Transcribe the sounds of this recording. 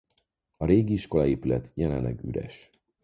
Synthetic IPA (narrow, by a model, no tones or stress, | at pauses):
ɒɾeːɡiiʃko̞lɒeːpylɛt̪jɛlɛnlɛɡy̰ɾɛ̰ʃ